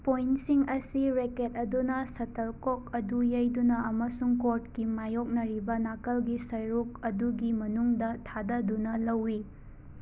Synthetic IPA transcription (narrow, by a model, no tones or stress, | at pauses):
pojnsiŋɐsiɾeket̚ɐdunɐsɐtɐlkok̚ɐdujɐjdunɐʔɐmɐsuŋkoɾtkimajok̚nɐɾibɐnakɐlɡisɐjɾuk̚ɐduɡimɐnuŋdɐtʰadɐdunɐlɐwːi